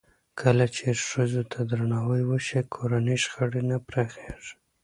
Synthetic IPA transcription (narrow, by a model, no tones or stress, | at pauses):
kʰəlat͡ʃeʃəzot̪ʰad̪ɾaɳɑwəjwəʃekʰoɾanəʃxəɽenapɾaxeʐ